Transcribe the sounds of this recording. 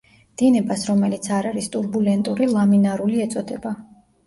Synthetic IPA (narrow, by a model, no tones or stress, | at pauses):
d̪̥inɛbasɾɔmɛlit̪sʰaɾaɾist̪ʼuɾbulɛnt̪ʼuɾilˠaminaɾuliɛt̪sʼɔd̪ɛba